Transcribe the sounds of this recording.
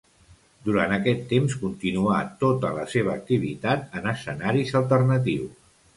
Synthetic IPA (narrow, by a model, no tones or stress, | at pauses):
d̪uɾanəkɛt̪ːemskunt̪inuat̪ot̪ələseβ̞əːk̚t̪iβ̞it̪at̪ənəsənaɾizəlˠt̪ərnət̪̬iws